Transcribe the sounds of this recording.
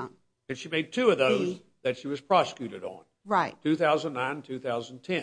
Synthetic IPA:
ɨ̃nʃimeɪd̚tʰʉʌvðoʊz | ðɨtʃiwʌz̥pʰɹ̥ɑsə̥kjʉɾɨ̰ɾn̩ | ɹaɪttʰʉθaʊzə̃n̩nãɪ̃ntʰʉθaʊz̃n̩tʰɛ̃

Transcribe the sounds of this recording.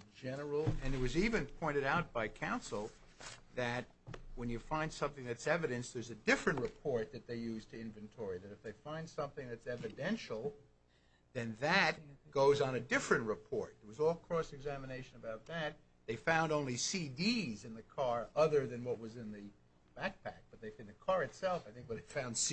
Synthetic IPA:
d͡ʒɛnə˞l̩ˠɨ̃nɨt̚wʌzivɨ̃npʰɔ̃ɪ̃ɾ̃ɨɾaʊt̚b̥aɪkʰãʊ̃nsl̩ˠ | ðɨt̚ | wə̃njɨfãɪ̃nd̥sʌ̃mθɪ̃ŋðɨtsɛvɨɾɨ̃nsðə˞zɨdɪfɹɨ̃nʔɹɨpʰɔɹt̪̚ðɨt̪̚ðeɪjʉz̥tʰɨɪ̃ɱvɨ̃ntʰɔɹiðɨɾɨfðeɪfãɪ̃nd̥sʌ̃mθɪ̃ŋðɨtsɛvɨdɛ̃nʃl̩ˠ | ðɨ̃nðɨt̚ɡ̥oʊzn̩ɨdɪfɹɨ̃nʔɹɨpʰɔɹt̪̚ðə˞wʌzɔlˠkʰɹ̥ɔsɨɡzæmɨneɪʃɨ̃nɨbaʊt̪̚ðɨt̪̚ | ðeɪfãʊ̃ndõʊ̃nlisidizɨ̃nðɨkʰɑɹʌðə˞ðɨ̃nwʌt̚wʌzɨ̃nðɨ | b̥æk̚pʰæk̚b̥ʌt̪̚ðeɪfɨ̃nðɨkʰɑɹɨtsɛlˠfaɪθɪ̃ŋk̚wʌt̪̚ðeɪ̥fãʊ̃nd̥s

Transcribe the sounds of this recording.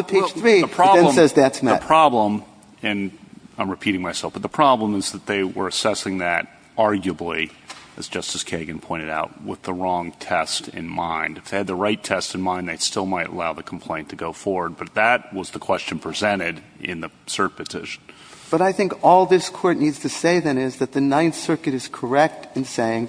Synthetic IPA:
pʰeɪd͡ʒʒθθɹiəpʰɹ̥ɑbɨ̃nlə̃sɛzðætsmðəpʰɹ̥ɑblə̃m | ɨ̃nãɪ̃mɹɨpʰiɾɪ̃ŋmaɪsɛlˠfb̥ʌt̪̚ðəpʰɹ̥ɑblə̃mɨzðɨt̪̚ðeɪwə̰˞ɨsɛsɪ̃ŋðɨɾ | ɑɹɡjəbli | ɨz̥d͡ʒʌstɨz̥kʰeɪɡɨ̃npʰɔ̃ɪ̃ɾ̃ɨɾa̰ʊt̚wɪðəɹɔ̃ŋtʰɛstʰɪ̰̃nmãɪ̃ndɨfðeɪɨd̪̚ðəɹaɪtʰɛstɨ̃nmãɪ̃nðeɪstɪlˠmaɪɾə̰laʊðɨkʰm̩pʰl̥ẽɪ̃ntʰɨɡoʊfɔɹwə˞d̚bʌt̪̚ðɨt̚wʌzðɨkʰw̥ɛst͡ʃɨ̃n̩pʰɹ̥izɛ̃ɾ̃ɪɾ | ɪ̰̃nðɨ | sɜ˞t̚pʰɨtʰɪʃn̩ | b̥ʌɾaɪθɪ̃ŋkɔlˠðɪskʰɔɹtⁿnidz̥tʰɨseɪðɨ̃nɪzðɨt̪̚ðɨnãɪ̃nsɜ˞kɨɾɨz̥kʰə˞ɛk̚tɨ̃nseɪɪ̃ŋ

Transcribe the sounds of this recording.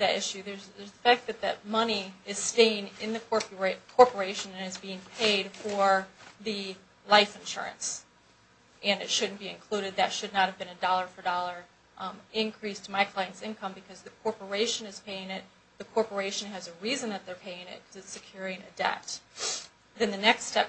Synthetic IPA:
ðɨɾɪʃʉðə˞zə˞zðəfæk̚t̪̚ðɨt̪̚ðɨ̰t̚mʌniɪz̥steɪɪ̃ŋɪ̃nðɨkʰɔpkʰɔɹpə˞eɪʃɨ̃nɨ̃nɨzbiɪ̃ŋpʰeɪd̥fə˞ðɨ | laɪfɨ̃nʃʊ̰ɹɨ̰̃ns | ʔɨ̃nɨtʃʊdⁿn̩b̥iɨ̰̃nkʰl̥uɾɨd̪̚ðɨtʃɨdⁿnət̚hɨvbɨ̃nɨdɔlˠə˞fə˞dɔlˠə˞ | ɪ̃nkʰɹ̥istʰəmaɪkʰl̥ãɪɨ̃ntsɪ̃nkʰʌ̃mbɨkʰʌzðɨkʰɔɹpə˞eɪʃɨ̃nɨz̥pʰeɪɪ̃ŋɪt̪̚ | ðɨkʰɔɹpə˞eɪʃɨ̃n̩ɨzɨɹizɨ̃nðɨt̪̚ðə˞pʰeɪɪ̃ŋɪ̰t̚kʰʌzɨtsɨkʰj̥ʊɹɪ̃ŋɨ̰dɛ̰p̚t̚ | ðɨ̃nðɨnɛkstɛp

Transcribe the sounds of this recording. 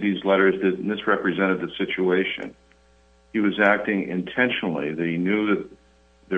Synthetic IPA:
ðizlɛɾə˞zðɨt̚ⁿnɪsɹɛpɹizɛ̃ɾ̃ɨd̪̚ðɨv̥sɪt͡ʃueɪʃɨ̰̃n | iwʌzæk̚tɪ̃ŋɪ̰̃ntʰɛ̃nʃnl̩ˠḭðeɪnjʉðɨt̪̚ | ðə

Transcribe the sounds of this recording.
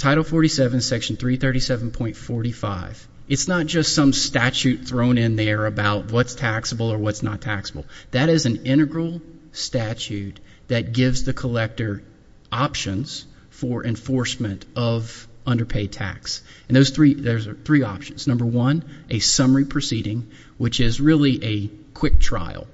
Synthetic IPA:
tʰaɪɾl̩ˠfɔɹɾisɛvɨ̃n̩sɛkʃn̩θɹiθɜ˞ɾisɛvn̩pʰɔ̃ɪ̃ntfɔɹɾifaɪv̥ | ɨtsnət̚d̥ʒ̥ʌstsʌ̃mstæt͡ʃʉt̪̚θɹõʊ̃ñɪ̃nðə˞ɨbaʊt̚wʌtstʰæksəbl̩ˠə˞wʌtsnətʰæksəbl̩ˠðɨɾɪzɨ̃n̩ɪ̃ɾ̃ɨɡɹl̩ˠstæt͡ʃʉt̪̚ | ðɨt̚ɡ̥ɪvzðɨkʰəlɛk̚tə˞ | ʔɑpʃɨ̃nz̥ | fə˞ʔɨ̃ɱfɔɹsmɨ̃ntʌvʌ̃ndə˞pʰeɪd̚tʰæ̰ks | n̩ðoʊz̥θɹiðə˞zə˞θɹiɑpʃɨ̃nz̥nʌ̃mbə˞wʌ̃nʔɨsʌmə˞ipʰɹ̥ɨsiɾɪ̃ŋ | wɨt͡ʃɪzɹɪlˠiʔɨkʰw̥ɪk̚tʰɹ̥a̰ɪl̩ˠ

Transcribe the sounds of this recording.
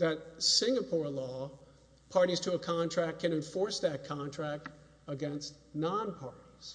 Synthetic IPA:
ðɨt̚sɪ̃ŋəpʰɔɹlɔ | pʰɑɹɾiz̥tʰəːkʰɑ̃ntʰɹ̥æk̚kʰɨ̃ñɨ̃ɱfɔɹsðɨt̚kʰɑ̃ntʰɹ̥æk̚t | əɡɛ̃nst | nɑ̃npʰɑɹɾiz̥

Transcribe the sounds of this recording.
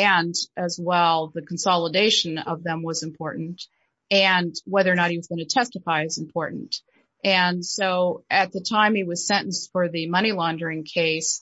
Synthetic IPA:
ɨ̃nɨzwɛlˠðɨkʰn̩sɑlˠədeɪʃɨ̃nʌvðɨ̃mwʌzɨ̃mpʰɔɹʔn̩t | ɨ̃nwɛðə˞ñət̚hiwʌzɡʌñɨtʰɛstəfaɪɨzɨ̃m̩pʰɔɹʔn̩t | ɨ̃nsoʊɨt̪̚ðɨtʰãɪ̃mɨwʌz̥sɛ̃ɾ̃n̩sfə˞ðɨmʌɾ̃ilɑ̃ndə˞ɪ̃ŋkʰeɪs

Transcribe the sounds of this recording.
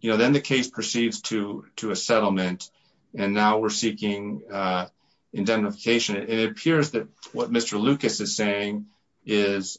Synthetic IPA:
jɨnoʊðɨ̃nðɨkʰeɪspʰɹ̥ɨsidz̥tʰɨɾɨɨsɛɾl̩ˠmɨ̃nt | ɨ̃nːaʊwɪɹsikɪ̃ŋ | ɨ̃ndɛ̃mnɨfə̥kʰeɪʃɨ̃nɨ̃nɨɾɨpʰɪɹzðɨt̚wʌt̚mɪstə˞lʉkɨsɨz̥seɪɪ̃ŋ | ɪz̥

